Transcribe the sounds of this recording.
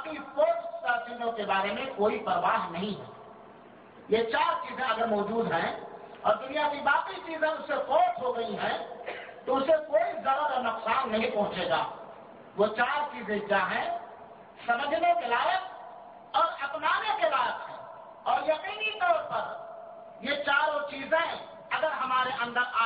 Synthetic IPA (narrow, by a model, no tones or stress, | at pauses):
pispoːʈst̪asiːlõkebaːɾemẽkoːipəɾʋaːɦnɐɦĩɦɛ̰̃ː | jet͡ʃaːɾt͡ʃiːzẽɐɡəɾmɔːd͡ʒuːd̪ɦɛ̃ɔːɾd̪ʊnijakibaːkit͡ʃiːzẽʊsekɔːʈɦoɡɐiɦɛ̃t̪oʊsekoːizɐɾəɾɔnʊqsaːnːɐɦĩpɔ̃ɦʊ̃t͡ʃeːɡa̰ː | ʋot͡ʃaːɾt͡ʃiːzẽd͡ʒaɦɛ̃ | sɐməd͡ʒʱnekelaːjək̚ | ɔːɾɐpnaːnekelaːjəkɦɛ̃ | ɔːɾjɐqiːnit̪ɔːɾpɐɾ | jet͡ʃaːɾot͡ʃiːzẽ | ɐɡəɾɦɐmaːɾeʔɐ̃nd̪əɾa